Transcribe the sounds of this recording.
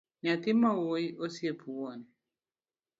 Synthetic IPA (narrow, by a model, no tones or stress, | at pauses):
ɲat̪imawoiʔosiepʰuwɔni